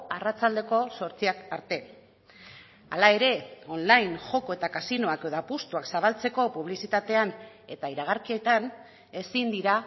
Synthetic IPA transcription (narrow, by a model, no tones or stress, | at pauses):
arat͡sald̪e̞ko̞so̞ɾt͡siakaɾt̪e̞ | alae̞ɾe̞o̞nlajnʝo̞ko̞e̞t̪akasino̞akeðapust̪uaksaβ̞alt͡se̞ko̞puβlisit̪at̪e̞an | e̞t̪aiɾaɣ̞aɾkiet̪an | e̞sind̪iɾa